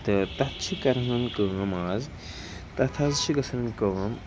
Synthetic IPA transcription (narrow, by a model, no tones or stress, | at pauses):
t̪ɐt̪ɐt̪t͡ʃʰikɐɾmɐnkəːmaːz | t̪ɐt̪ʰɐzt͡ʃʰikɐsʰɐnmkəːm